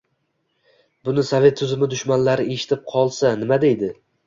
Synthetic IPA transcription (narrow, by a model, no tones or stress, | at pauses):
bʊnɪsovʲe̞t̪ʰːʊzɪmɪd̪ʊʃmanlaɾɪe̞ʃɪ̥t̪ʰɪp̚qʰɒlˠsanɪmad̪e̞jd̪ɪ